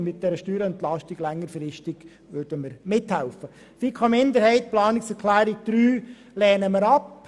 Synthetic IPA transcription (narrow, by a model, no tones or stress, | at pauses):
mɪt̚d̥ɛɾəʃtyːɾəɛnt̪lɑʃtɪɡ̥lɛŋːəɾfɾɪʃtɪɡ̥ | ʋødəməɾmɪthɛlfə | fikʰɑmɪnd̪əɾhɛɪt̚plɑːnɪksɛɾkʰlæːɾɪɡ̚d̪̥ɾyː | lɛːnəməɾɑp